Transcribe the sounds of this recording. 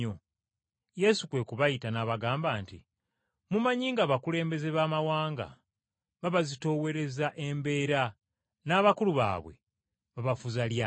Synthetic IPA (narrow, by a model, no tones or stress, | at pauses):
o | je̞sukwe̞kuβajitanaːβaɡaːmbaːntḭ | mumaɲiːŋɡaβakule̞ːmbe̞ze̞βaːmawaːŋɡa̰ | βaβazito̞ːwe̞ɾe̞zaʔe̞mbe̞ːɾa | naːβakuluβa̰ːβwe̞̰ | βaβafuzalja